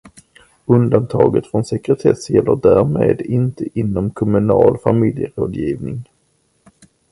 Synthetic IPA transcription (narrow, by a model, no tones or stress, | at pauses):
ɵnd̪ant̪ʰɑːɡət̪fɾɔnsɛkɾɛt̪ʰɛsjɛlːəɖæːɾmeːd̪ɪnt̪əʔɪnːɔmkʰɔmɵnɑːlfamɪljəɾoːd̪jiːvnɪŋ